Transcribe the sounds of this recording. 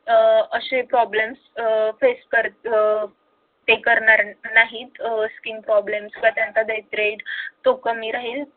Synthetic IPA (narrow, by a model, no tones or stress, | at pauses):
əɕepɾɔblemsfeskəɾ | t̪ekəɾɳaɾnaɦiːt̪skinpɾɔblemskat̪jãnt͡sad̪əjt̪ɾeɖt̪okəmiːɾaɦiːl